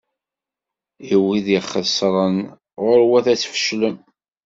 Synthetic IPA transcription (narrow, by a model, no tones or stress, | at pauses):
iwiðiχːəsˤɾˤən | ʁʊɾwæθæt͡sːfə̥ʃləm